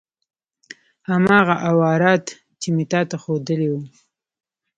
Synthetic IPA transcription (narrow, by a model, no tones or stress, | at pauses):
hamɑɣaʔawɑɾɑt̪ː | imit̪ɑt̪axod̪əlewu